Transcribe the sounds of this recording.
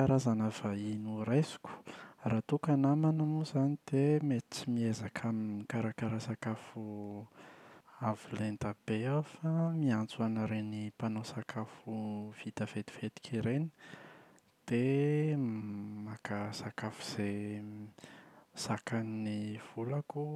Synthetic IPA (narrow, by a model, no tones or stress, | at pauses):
aɾazanəvainurajzi̥ku̥raːt̪ukanamanamuzanid̪̥emet͡simiezakʰaminkaɾakaɾasakafu | avilend̪ab̥eawfamiant͡suanaɾenipanosakʰafuv̥it̪av̥et̪i̥v̥et̪i̥kiɾeni̥ | d̪̥e | makasakafu̥z̥e | sakanniv̥ulaku